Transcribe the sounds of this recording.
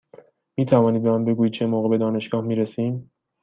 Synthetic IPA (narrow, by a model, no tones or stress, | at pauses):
miːt̪ʰævɒːnid̪̚bemɒmbe̞ɡuːjid̪̚t͡ʃʰemoːɣebe̞d̪ɒːne̞ʃɡɒːhmiːɾesiːm